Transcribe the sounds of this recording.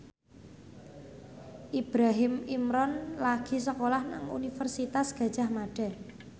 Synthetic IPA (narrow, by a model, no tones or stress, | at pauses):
ʔib̥ɾaɦɪmimɾɔnlaɡ̥i̤səkolɔhna̰ŋṵnifərsit̪asɡ̥ä̤d̥ʒ̥a̤hmaɖ̥ɛ̤